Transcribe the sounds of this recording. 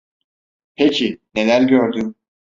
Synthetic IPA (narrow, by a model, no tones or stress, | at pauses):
pʰecʰine̞lʲæɾɟøɾd̪ym